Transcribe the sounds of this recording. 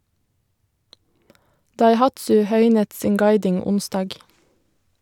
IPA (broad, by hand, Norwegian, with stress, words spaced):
dɑɪˈhɑtsʉ ˈhœʏnət ˈsiːŋ ˈɡɑɪdɪŋ ˈʊnstɑːɡ